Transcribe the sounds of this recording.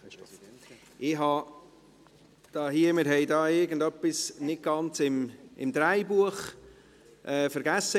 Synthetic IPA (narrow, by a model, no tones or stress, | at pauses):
ʔɪɦɑ | d̥ɑːɦiəmɪɾɦɛɪdɑːɪɾɡən̩dœpːisnɪt̚ɡ̥ɑnt͡sɪmɪmd̥̪ɾaɪbuəχ | ʔɛːfəɾɡæsə